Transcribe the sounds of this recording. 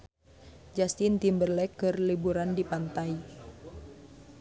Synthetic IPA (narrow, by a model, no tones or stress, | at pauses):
d͡ʒast̪int̪imbərlɛkːɨrlibuɾandipant̪ai